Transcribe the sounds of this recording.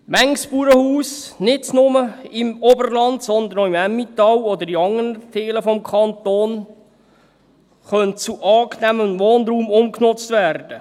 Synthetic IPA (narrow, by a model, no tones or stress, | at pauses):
mæŋspuɾəhuːsnɪtnʊməɪmobərlɑndsɔnd̪ənoimæmːit̪ɑwɔd̪əɾiɑŋːənətʰeːləfɔmkʰɑnt̪oːn | χœnt͡suʔɑːknæmənʋoːnɾuːmʊmknʊt͡st̪ʋærd̥ə